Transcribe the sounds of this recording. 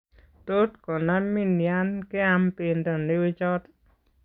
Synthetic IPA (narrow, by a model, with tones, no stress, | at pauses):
to˦tkɔ˨na˦mi˦nja˦nkɪ˦a˦mpi˨ndo˨ne˦wi˦t͡ʃɔ˦t